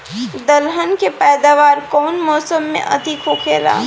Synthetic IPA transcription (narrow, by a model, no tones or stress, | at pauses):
d̪ɐlɦənkepɛːd̪aːʋaːɾkɔːnmɔːsəmːḛ̃ʔɐ̰t̪ikʰoːkʰeɾa̰